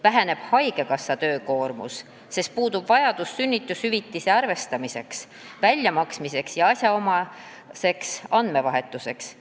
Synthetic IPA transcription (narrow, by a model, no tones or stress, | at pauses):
væɦæne̞b̥hɑjɡe̞kɑsːɑt̪ø̞ːko̞ːrmṵsː | e̞st̪̚puːd̪ub̥vɑjɑd̪̥usːynʲːit̪ːˑushyvit̪ːˑiseɑrve̞st̪ɑmise̞ks | vælʲjɑmɑksmise̞ksjɑɑsʲjɑo̞mɑ | se̞ksɑnd̪me̞vɑɦe̞t̪ːˑuse̞ks